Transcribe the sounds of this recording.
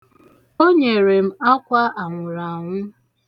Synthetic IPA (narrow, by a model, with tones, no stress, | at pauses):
o˦ɲe˨ɾe˨m̩˦a˦kʷa˦ʔa˨ŋʷʊ˨ɾa˨ŋʷʊ˦